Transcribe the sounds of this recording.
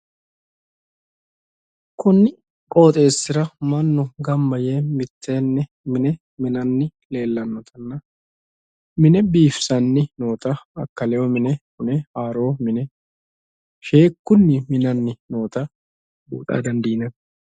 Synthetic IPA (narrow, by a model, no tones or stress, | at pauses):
kʊnːɪ | kʼo̞ːt̪ʼe̞ːsːɪɾɐmɐnːɔɡɐmbɐjeːmɪt̪ːe̞ːnːɛ | mɪnɛ | mɪnɐnːɪle̞ːlːɐnːɔt̪ʰɐnːɐ | mɪnɛbiːfsɐnːɪno̞ːt̪ɐɐkːɐlɛɔmɪnɛkʊnɛaːɾo̞ːmɪnɛ | ʃe̞ːkːʊnːɪmɪnɐnːɪno̞ːt̪ɐ | bṵːt̪ʼa̰ːd̪ɐnd̪iːnɐn